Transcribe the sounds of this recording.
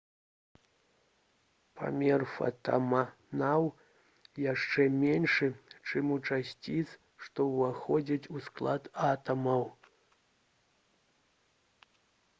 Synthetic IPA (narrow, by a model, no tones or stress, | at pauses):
pʰa̰mʲɛrfɐ̰t̪a̰ma | naw | jaʂt͡ʂɛmʲɛnʂɨt͡ʂɨmut͡ʂasʲt͡sʲit̪s | ʂt̪ɔvaxɔd͡zʲit͡sʲusklˠat̪at̪ɐmɐw